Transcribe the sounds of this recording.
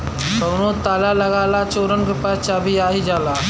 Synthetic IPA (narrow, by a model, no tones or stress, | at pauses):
səɡnot̪alaləɡalat͡ɕoɾənɡupat͡ɕabʱiːaɦid͡zala